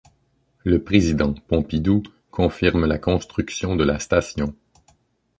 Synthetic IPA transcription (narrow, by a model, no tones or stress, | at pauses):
ləpʁezid̪ɑ̃pɔ̃pid̪u | kʰɔ̃fiʁmlakɔ̃st̪χyksjɔ̃d̪əlast̪asjɔ̃